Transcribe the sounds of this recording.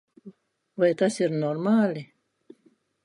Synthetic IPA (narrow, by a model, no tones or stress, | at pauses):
vajt̪asiɾnormaːli